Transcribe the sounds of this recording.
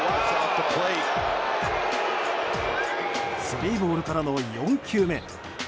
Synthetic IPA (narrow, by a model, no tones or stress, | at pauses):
sot̪ːokʰoi | sɨbʲiibo̞ːɾɯ̟kaɾano̞jõ̞ŋkʲɨːmẽ̞̰